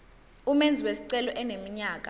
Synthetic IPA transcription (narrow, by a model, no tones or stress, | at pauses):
umend͡zʱiwesi̥ǀɛlɔʔɛnemiɲaːk̬ʼa